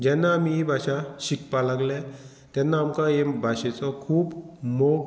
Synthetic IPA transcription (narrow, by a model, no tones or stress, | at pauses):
d͡ʑɛnːaːmiebʱaɕaɕikpalaɡlɛ | t̪ɛnːaːmkajebʱaɕɛt͡sɔkʰuːbmoɡ